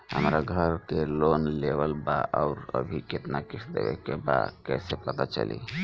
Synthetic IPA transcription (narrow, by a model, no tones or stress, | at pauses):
ɦə̰mɾaɡʱəɾkelonlebəlbaʔaʊɾə̰bʱiket̪nakisʰd̪ḛbɛ̰keba̰kɛsepət̪at͡ʃə̰lḭ